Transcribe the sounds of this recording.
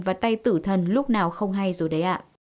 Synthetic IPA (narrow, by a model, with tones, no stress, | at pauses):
vaː˨˩t̪a˧jt̪ɨ̰˧˩t̪ʰə˨˩nlʊ˦˥k͡p̚naː˨˩wxə˧wŋ͡mɦa˧jzo˨˩jɗə˨˦jʔaː˧˨